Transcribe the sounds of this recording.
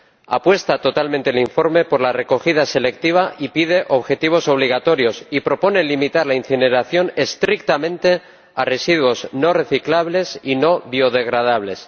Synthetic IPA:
a̰pwe̞st̪at̪o̞t̪almẽnt̪eliɱfo̞ɾme̞po̞ɾlare̞ko̞xið̞ase̞le̞k̚t̪iβ̞aʔipið̞e̞ʔo̞βxe̞t̪iβ̞o̞so̞β̞liɣ̞at̪o̞ɾjo̞sipɾo̞po̞ne̞limit̪aɾlainθine̞ɾaθjo̞ne̞st̪ɾik̚t̪amẽnt̪e̞ | are̞siðwo̞zno̞re̞θiklaβle̞sino̞βjo̞ðe̞ɣ̞ɾað̞aβle̞s

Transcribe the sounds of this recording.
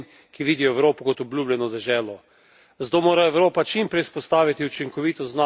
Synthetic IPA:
n | kiʋiːd̪iɔɛwɾoːpɔkɔt̪ɔblʲuːblʲɛnɔd̪ɛʒɛːlɔ | zd̪oːmoːɾaɛwɾoːpat͡ʃimpɾɛjspɔst̪aːʋit̪iut͡ʃiŋkɔʋiːt̪ɔzna

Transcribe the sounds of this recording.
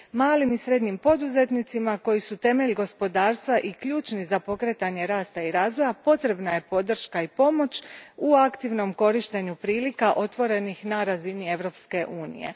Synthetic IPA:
maːlimisɾe̞d̪ɲimpo̞d̪uze̞t̪nit̪simako̞jisut̪e̞me̞ʎɡo̞spo̞d̪aːɾst̪ʋaʔikʎuːt͡ʃnizapo̞kɾe̞t̪aɲe̞ɾaːst̪aiɾaːzʋo̞japo̞t̪ɾe̞bnaje̞po̞d̪r̩ʃkaipo̞mo̞t͡ɕuakt̪iʋno̞mko̞ɾiʃt̪e̞ɲupɾiːlikaʔo̞t̪ʋo̞ɾe̞nixnaɾazinie̞ʋɾo̞pske̞ʔuːnḭje̞̰

